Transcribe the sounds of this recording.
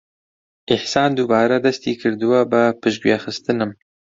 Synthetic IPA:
ʔɪħsɑːnd̪ubɑːɾad̪ɐst̪iːkʰɨɾd̪ɨwabəpɨʃɡwjexɨst̪ɨnɨm

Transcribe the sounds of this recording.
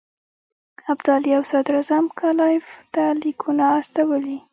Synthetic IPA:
abd̪ɑliawsad̪ɾazamkalɑɪft̪alikʰunaːst̪awəli

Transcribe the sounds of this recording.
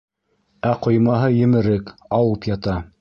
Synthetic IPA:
æqŏjmɑɦɤjɘ̆mɘ̆ɾɘkɑwɤpjɑt̪ɑ

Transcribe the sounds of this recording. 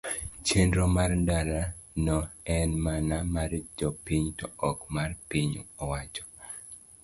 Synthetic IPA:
t͡ʃendɾomardaɾanɔɛnmanamaɾd͡ʒɔpiɲtɔɔkmarpiɲɔwat͡ʃɔ̥

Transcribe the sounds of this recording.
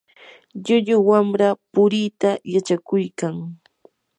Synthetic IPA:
ʎʊʎʊwamɾapʊɾit̪ajat͡ʃakʊjkaŋ

